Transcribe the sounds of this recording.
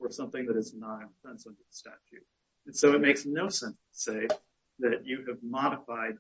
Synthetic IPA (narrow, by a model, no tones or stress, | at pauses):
ə˞sʌ̃mθɪ̃ŋðɨɾɨznə̃sɛ̃nswə̃nɨ̥stæ̰t͡ʃʉ̰ | ɨ̃nsoʊɨt̚meɪksnoʊsɛ̃nstʰə̥seɪf | ðɨt͡ʃɨɨvmɑɾəfaɪd̚